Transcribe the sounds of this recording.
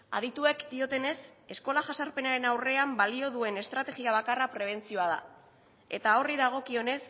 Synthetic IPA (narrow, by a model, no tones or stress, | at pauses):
a̰ðit̪ue̞kd̪io̞t̪e̞ne̞se̞sko̞laʝasaɾpe̞naɾe̞nawre̞ambalio̞ðue̞ne̞st̪ɾat̪e̞ɣiaβ̞akarapɾe̞β̞e̞nt͡sio̞aða̰ | e̞t̪ao̞riðaɣ̞o̞kio̞ne̞s